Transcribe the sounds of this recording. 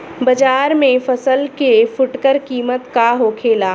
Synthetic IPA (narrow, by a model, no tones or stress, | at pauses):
bɐd͡ʒaːɾmẽfɐsəlkefʊʈkəɾkiːmət̪kaɦoːkʰeːlaː